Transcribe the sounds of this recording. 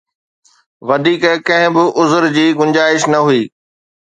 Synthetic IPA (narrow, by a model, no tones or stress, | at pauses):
ʋɐd̪ʱiːkkɐ̃ɦɪ̃bɪʔʊzʊɾd͡ʑiːɡʊɲd͡ʑaːɪʃnɐɦuiː